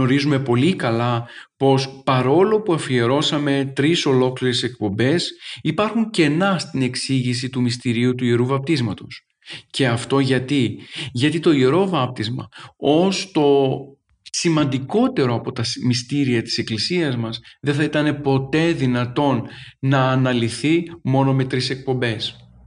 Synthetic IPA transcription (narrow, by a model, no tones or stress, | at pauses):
o̞ɾizume̞po̞likɐlɐpo̞spɐɾo̞lo̞puɐfie̞ɾo̞sɐme̞t̪ɾiso̞lo̞kliɾese̞k̚po̞mbe̞sipɐɾxuɲce̞nɐst̪ine̞ksiʝis̬it̪umist̪iɾiut̪uieɾuvɐp̚t̪izmɐt̪o̞s | ce̞ɐft̪o̞ʝɐt̪iʝɐt̪it̪o̞iɾo̞vɐp̚t̪izmɐ̰o̞st̪o̞ | simɐnd̪iko̞t̪e̞ɾoɐpo̞t̪ɐsmist̪iɾiɐt̪i̥se̞klisiɐzmɐzðe̞θɐit̪ɐne̞po̞t̪e̞ðinɐt̪o̞nːɐːnɐliθimo̞no̞me̞t̪ɾise̞k̚po̞mbe̞s